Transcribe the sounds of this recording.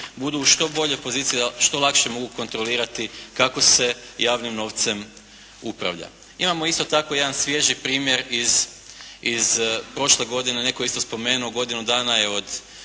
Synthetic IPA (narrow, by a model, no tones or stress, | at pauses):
bud̪uːʃt̪o̞bo̞ʎe̞po̞ziːt̪sieaʃt̪o̞lˠakʃe̞mo̞ɡuko̞nt̪ɾo̞liːɾat̪ikako̞se̞jaːʋnimno̞ʋt̪se̞m | upɾa̰ʋʎa̰ | imamo̞ist̪o̞t̪akoje̞d̪ansʋje̞ʒipɾiːmjeɾiz | izpɾo̞ʃle̞ɡo̞d̪ine̞ne̞ko̞ist̪ospo̞me̞ːnuoɡo̞d̪inud̪aːnajeo̞d̪